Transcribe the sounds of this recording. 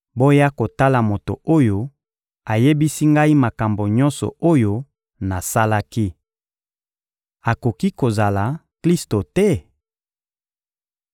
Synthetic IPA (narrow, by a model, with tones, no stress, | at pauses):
bo˦ja˦ko˨ta˦la˨mo˨to̰˨o˦jo˦ | a˨je˦bi˦si˦ŋɡa˦i˦ma˨ka˨mbo˨ɲɔ˦nsɔ̰˨o˦jo˦ | na˨sa˦la˦ki˦ | a˨ko˨ki˦ko˨za˨la˨kli˦sto˨tɛ˦